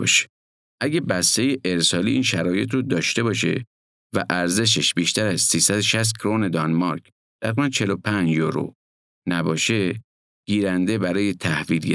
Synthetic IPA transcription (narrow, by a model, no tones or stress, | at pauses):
ʃe̥ | ʔæɟæbæst̪e̞je̞ʔeɾsɒːliːʔiːnʃæɾɒːje̞t̪ʰɾod̪ɒːʃt̪e̞bɒːʃe̞̰ | væ̰ʔæɾze̞ʃ̬eʃbiːʃt̪æɾæzsiːsæd̪oʃæs̬t̪̚kʰɾone̞d̪ɒnmɒɾk | d̪̥æɾimænt͡ʃʰe̞lopʰænd͡ʒjoɾo̰ | næbɒːʃe̞ | ɡ̥iːɾænd̪e̞bæɾɒːjet̪ʰæhviːlɡe